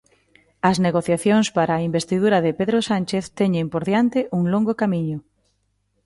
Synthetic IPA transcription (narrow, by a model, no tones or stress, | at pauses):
ɐzneɣoθjaθjoŋspaɾaːimbest̪iðuɾaðɪpeðɾosant͡ʃeθt̪ɛɲempoɾðjant̪ɪʔuŋloŋɡʊkamiɲʊ